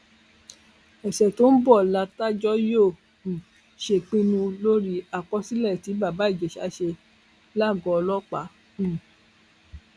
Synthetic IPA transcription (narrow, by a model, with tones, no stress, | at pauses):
ɛ˨sɛ˨to˦n̩˦bɔ˦˨la˧ta˦d͡ʒɔ˦jo˦˨ | ʃe˧k͡pĩ˦nũ˧lo˦ɾi˦a˨k͡pɔ˦si˦lɛ˦˨ti˨˦ba˦˨ba˨˦i˦˨d͡ʒɛ˨ʃa̰˨˦ʃe˧ | la˦˨ɡɔ̃˨˧ɔ˧lɔ˦k͡pa˨˦˨